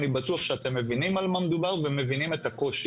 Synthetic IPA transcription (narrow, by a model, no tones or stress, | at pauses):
nibatuaχʃeat̪e̞mːe̞vinimalmamed̪ubaʁve̞me̞vinime̞t̪ako̞ʃ